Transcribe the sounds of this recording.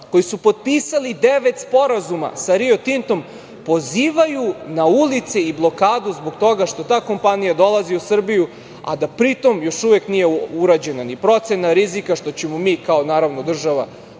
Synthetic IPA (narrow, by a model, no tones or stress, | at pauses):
ko̞jisupo̞d̪̚piːsalid̪eʋet̪spo̞ɾazuma̰saɾio̞t̪int̪o̞m | po̞ziːʋajunaulit̪seiblˠo̞kaːd̪uzbo̞ɡt̪o̞ɡaʃt̪ot̪aːko̞mpanijad̪o̞lˠaziusr̩biju | a̰d̪apɾit̪o̞mjo̞ʃuʋe̞knijeuɾad͡ʑe̞nanipɾo̞t̪senaɾizikaʃt̪o̞t͡ɕemomiːkaonaːɾaʋnod̪r̩ʒaʋa̰